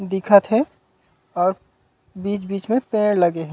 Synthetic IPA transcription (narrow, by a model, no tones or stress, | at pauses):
d̪ɪkʰət̪ɦɛ̃ | ɔːɾ | biːt͡ʃbiːt͡ʃmẽpẽːɽlɐɡeɦɛ̃